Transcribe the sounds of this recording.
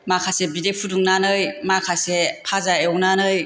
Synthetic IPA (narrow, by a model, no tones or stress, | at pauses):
makʰasebidepʰuduŋnanɯjmakʰasepʰazaewnanɯj